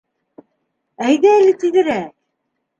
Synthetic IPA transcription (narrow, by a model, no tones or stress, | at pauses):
æjðæælɘt̪iðɘ̆ɾæ